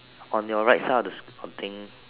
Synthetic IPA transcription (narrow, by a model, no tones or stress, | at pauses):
ɔ̃njɔɹaɪtsaɪdsɔ̃nt̪ʰɪ̃ŋ